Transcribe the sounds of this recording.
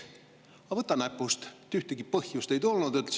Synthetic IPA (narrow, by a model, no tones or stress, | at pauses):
ɑvɤt̪ːˑɑnæpːˑust̪t̪yht̪eɡ̥ipɤhjust̪e̞jt̪olnud̪yt̪ːs